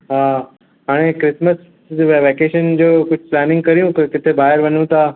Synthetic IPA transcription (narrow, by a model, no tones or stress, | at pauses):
ɦã | ɦaːɽ̃ekɾɪsməs | ʋeʋekeːʃənd͡ʑoːkʊt͡ɕʰplæːnɪ̃ŋɡ̚kəɾjũkəkɪt̪ʰebaːɦəɾʋənũt̪a